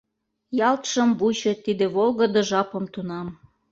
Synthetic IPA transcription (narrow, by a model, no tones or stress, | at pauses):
jɑlt̪ʃə̆mbut͡ɕĕt̪id̪ĕβolɣə̆d̪ɤ̆ʒɑpə̆mt̪unɑm